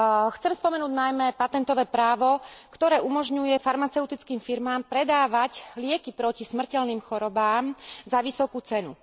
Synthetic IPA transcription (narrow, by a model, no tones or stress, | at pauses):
xt͡sɛmspɔmɛnuːɟnajmɛpat̪ɛnt̪ɔʋɛːpɾaːʋɔkt̪ɔɾɛːʔumɔʒɲujɛfaɾmat͡sɛʊt̪it͡skiːmfiɾmaːmpɾɛd̪aːʋaclɪɛkipɾɔcismr̩cɛlniːmxɔɾɔbaːmzaʋisɔkuːt͡sɛnṵ